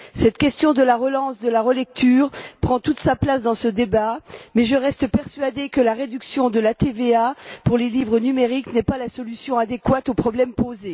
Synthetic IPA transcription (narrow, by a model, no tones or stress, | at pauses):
sɛt̪kʲɛst̪jɔ̃d̪əlaʁəlɑ̃sd̪əlaʁəlɛk̚t̪ʰyːʁpχɑ̃t̪ut̪saplasd̪ɑ̃səd̪ebamɛʒəʁɛst̪əpɛʁsɥad̪ekəlaʁed̪yksjɔ̃d̪əlat̪eveapuʁlelivʁənymeʁiknɛpalasɔlysjɔ̃ad̪ekwat̪opχɔblɛmpoze